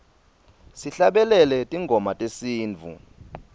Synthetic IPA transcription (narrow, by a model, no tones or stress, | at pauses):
siɬaɓɛlɛlɛtʼiŋɡʱɔmatʼesiːnt͡fṵ